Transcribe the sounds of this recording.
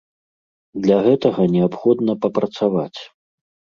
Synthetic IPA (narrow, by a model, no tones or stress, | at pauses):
d̪lʲaɣɛt̪ɐɣɐnʲɛapxɔd̪nɐpɐpɾɐt̪savat͡sʲ